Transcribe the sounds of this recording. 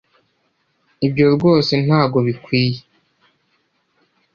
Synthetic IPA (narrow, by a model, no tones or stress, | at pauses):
ibɟo̞ɾɡo̞ːse̞n̥haːɡo̞βikwiːje